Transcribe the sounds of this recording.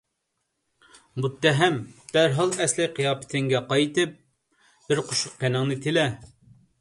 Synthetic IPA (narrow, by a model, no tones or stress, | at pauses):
mut̪ːɛɦɛmb̥̪æɾɦɑlˠɛslɪqʰijɑːpʰɪ̥t̪ʰɪŋɡʲɛqɑjt̪ɨp̚ | b̥ɪɾqʰoʃʊqkɛnɪŋnɨt̪ʰɪlɛ